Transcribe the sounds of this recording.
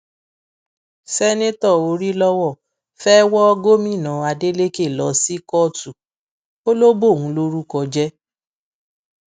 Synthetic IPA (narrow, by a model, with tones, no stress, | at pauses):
sɛ˦nẽ˦tɔ˦˨o˧ɾi˦lɔ˦wɔ˦˨ | fɛ˦wɔ˦ɔ˦ɡo˦mĩ˦˨nã˨a˧de˦le˦ke˦˨lɔ˨˦si˦kɔ˦˨tu˨ | o˦lo˦bo˦˨ŋũ˨˦lo˦ɾu˦kɔ˧d͡ʒɛ˦